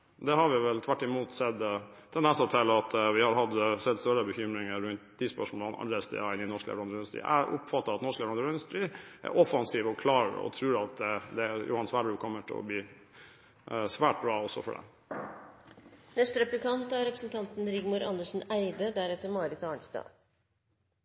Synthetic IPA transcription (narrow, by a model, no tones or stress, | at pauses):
d̪ɛhɑɾʋɪʋɛlt̪ʰʋæʈːɪmuːt̪sɛd̪ | t̪ʰɛnd̪ɛnsɔt̪ʰːɪlːɑt̪ʋɪhɑɾɦɑd̪sɛd̪st̪øɾəbəçʏmɾɪŋəɾʉnt̪iːspœʂmɔlɑnɑ̰nd̪ɛst̪ɛ̰ɑɪnɪnɔʂklɛ̰ʋɾɑnd̪əɾʉnəst̪ɾḭːʔæ̰ʔʊ̰pfɑt̪ːəɾɑt̪nɔʂkləʋɾɑnd̪əɾʉnəst̪ɾiːʔæ̰ɾʔɔfɑnsiːʋɔkʰlɑːɾə̰ɔ̰t̪ʰɾʉːɾɑt̪̚d̪ɛd̪ɛjṵːhɑnsʋæːɖɾʉːkʰɔmːəʈʰɛ̰ɔ̰bliː | sʋæːʈ̚bɾɑːɔsːɔfɔ̰ɖɛ̰ | nɛst̪ɾɛplɪkɑnt̪æɾɾɛpɾəsənt̪ʰɑnt̪n̩ɾɪɡmuːɾɑ̰nd̪əʂn̩æɪd̪əd̪æɾɛt̪ːəɾmɑːɾɪt̪ɑːɳsd̪ɑ̰ː